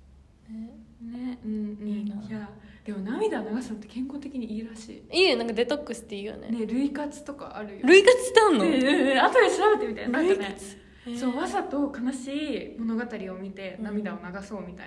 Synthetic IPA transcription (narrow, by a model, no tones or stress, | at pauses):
eneɯ̟̃ɴjad̪̥e̞mo̞namʲid̪aonaɡasɨt̪ːe̞̥kẽ̞ŋko̞ːt̪e̞kʲiɲ̟iiːɾaɕḭːiːjonãŋkad̪e̞t̪okːɯ̟ɕɨ̥t̪ːe̞iːjo̰nḛneɾɯ̟ikat͡sɨ̥t̪o̞ka̰aɾɯ̟joɾɯ̟ikat͡sɨ̥t̪aɯ̃nːoat̪oɾesɨɾabet̪e̞mʲit̪a̰ḭaaɯnet͡s | soβasat̪o̞kanaɕiːmo̞no̞ɡat̪aɾʲio̞mʲit̪e̞namʲid̪aonaɡaso̞ːmʲit̪a̰ia